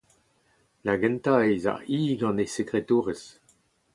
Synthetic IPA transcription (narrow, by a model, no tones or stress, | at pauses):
laɡɛ̃nt̪aeza̰ʁiːɡɑ̃nesekʁet̪uːʁəs